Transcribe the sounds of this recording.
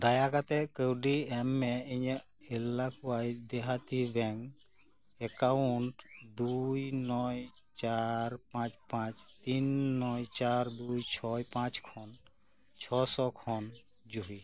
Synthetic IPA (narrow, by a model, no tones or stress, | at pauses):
d̪ajakat̪ɛkəwɖiɛmːɛiɲ | elakʰwajd̪ɛɦat̪ibɛŋɡ | ɛkauɳʈd̪ujnɔj | t͡ʃaɾpãt͡ʃpãt͡ʃt̪inːɔjt͡ʃaɾd̪ujt͡ʃʰɔjpãt͡ʃkʰɔn | t͡ʃʰɔsɔkʰɔn | d͡ʒuɦi